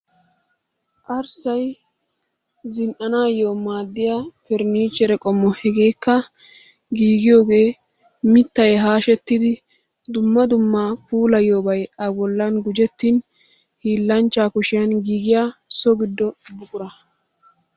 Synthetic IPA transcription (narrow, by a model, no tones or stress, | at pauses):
ʔɐɾsɐj | zɪnʔɐnaːjoːmaːd̪ːɪjaːpɛɾniːt͡ʃːɛɾɛkʼɔmːɔhɛɡeːkːɐ | ɡiːɡɪjo̞ːɡe̞ː | mɪt̪ːɐjɦaːʃɛt̪ːɪd̪ɪ | d̪ʊmːɐd̪ʊmːaːpuːlɐjoːbɐjɐbɔlːɐnɡʊd͡ʒɛt̪ːin | hiːlːɐnt͡ʃːaːkʊʃɪjɐnɡiːɡɪjaːsɔɡɪd̪ːɔbʊkʼʊɾɐ